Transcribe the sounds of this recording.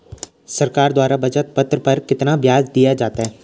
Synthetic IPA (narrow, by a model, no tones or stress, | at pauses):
sɐɾkaːɾd̪waːɾabʱɐd͡ʒət̪̚pɐt̪ɾəpɐɾkɪt̪nabʱjaːzd̪ijad͡ʒaːt̪aɦɛː